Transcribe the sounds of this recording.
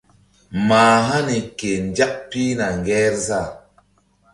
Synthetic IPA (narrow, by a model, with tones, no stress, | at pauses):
maː˨ɦa˦ni˨ke˨nd͡ʒa˦ʔ̚pi˦na˨ŋɡɛ˦ɾza˦˨